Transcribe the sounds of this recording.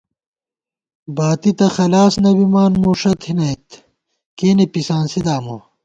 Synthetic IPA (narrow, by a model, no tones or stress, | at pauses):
baːt̪it̪ɐxɐlaːsnɐbimaːnmoːʂɐt̪ʰinɐit̪ | keːnepisaːnsid̪aːmo